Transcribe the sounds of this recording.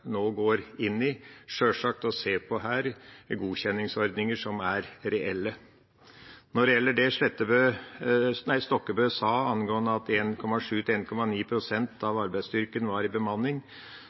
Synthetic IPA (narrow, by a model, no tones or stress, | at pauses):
noːɡoːɾɪnːɪʂøːʂɑk̚t̪ɔseːpʰɔɦæːɾɡuːçɛnːɪŋsɔɾd̪nɪŋəʂɔmæɾɾɛʔɛlːə | nɔɾɛjɛlːəɖɛʂlɛt̪ːəbøː | næɪst̪ɔkːəbœːsɑːɑnɡoːənəɑt̪eːnkʰɔmɑʂʉːt̪ɪeːnkʰɔmɑniːpʰɾʊsɛnt̪ʰɑʋɑɾbæɪst̪ʏɾkənʋɑɾɪbəmɑnːɪŋ